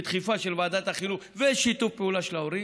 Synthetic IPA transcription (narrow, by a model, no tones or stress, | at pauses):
t̪χifaʃelvaːd̪at̪aχilu | veʃit̪ufpeulaʃelaoʁi